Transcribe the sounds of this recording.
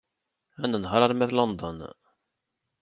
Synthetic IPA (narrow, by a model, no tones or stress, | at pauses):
ænːənɦəɾˤɑɾˤmæðlond̪ə̰n